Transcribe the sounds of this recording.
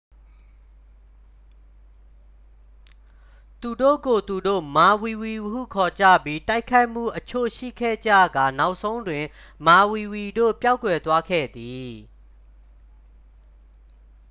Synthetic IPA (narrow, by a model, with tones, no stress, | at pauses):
t̪u˨do̰˦˨ɡo˨t̪u˨do̰˦˨ma˨wi˨wi˨ɦṵ˦˨kʰɔ˨t͡ɕä̰˦˨bji˦ta˦ɪkʰa˦ɪʔm̥ṵ˦˨ʔət͡ɕʰo̰˦˨ʃḭ˦˨kʰɛ̰˦˨d͡ʑä̰˦˨ɡa˨na˦ʊʔsʰõ˦ʊ̃ndwɪ̃˨ | ma˨wi˨wi˨do̰˦˨pja˦ʊkwɛ˨t̪wa˦kʰɛ̰˦˨d̪i˨